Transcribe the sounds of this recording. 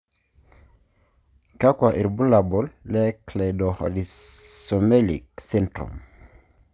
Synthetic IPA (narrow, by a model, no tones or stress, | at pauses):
kakwaʔiɾbulabɔlːɛkledɔhɔ̰lisomelḭksɛntɾṵm